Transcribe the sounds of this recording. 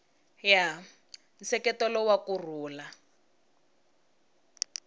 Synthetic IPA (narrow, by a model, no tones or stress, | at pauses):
ja | n̩sɛkɛtɔlɔwakur̤uːla